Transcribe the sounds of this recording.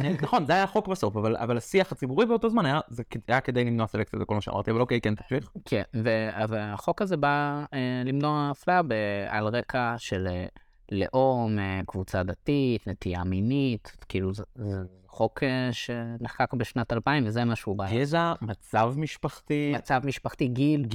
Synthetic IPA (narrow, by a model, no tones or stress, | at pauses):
nnaχo̞nzeajaχo̞kbeso̞favala̰valasiaχat͡sibuʁibeoto̞zmanajazekajaked̪ejlimnoaselek̚t͡sijazeko̞lmaʃḛma̰ʁtiavalokejkent̪ḁħviχkʰenveavaaχo̞kazebaelimnoaːflaabea̰lʁe̞kʰaʃele | lḛʔo̞mekvut͡sad̪at̪itne̞t̪ijaminit̪kiːluzeze | χo̞keʃeneħkakbeʃnatalpaimvezemaʃeubajezamat͡savmiʃpaχt̪imat͡savmiʃpaχtiɡil